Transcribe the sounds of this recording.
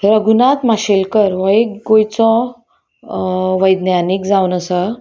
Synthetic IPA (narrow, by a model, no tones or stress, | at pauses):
ɾəɡunat̪maɕelkəɾʋɔekɡojt͡sɔ̃ | ʋəjd̪njanikd͡zaunəsə